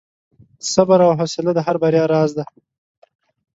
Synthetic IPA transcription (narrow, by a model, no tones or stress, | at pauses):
sabaɾawɦosɪlad̪əɦaɾbaɾjɑɾɑːzd̪a